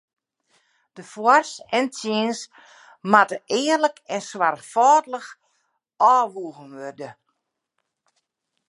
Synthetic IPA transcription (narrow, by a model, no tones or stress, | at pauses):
d̥əfwɔrsɛntjiəns | matəʔɪːərləkɛnswarfɔːdləx | ɔːʋuːɣənʋørdə